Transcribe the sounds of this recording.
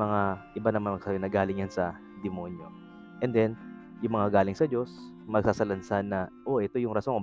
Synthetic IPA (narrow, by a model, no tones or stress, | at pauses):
ɐŋaʔɪbanɐmanmɐɡ̚sajnɐɡaːlɪŋjansɐ | d̪ɛmo̞njo̞̰ | ʔɛnd̪ɛn | jʊŋmɐŋaɡaːlɪŋsɐd͡ʒo̞s | mɐɡ̚sasɐlɐnsanːɐʔo̞ʔɛt̪o̞jʊŋɾɐsoŋ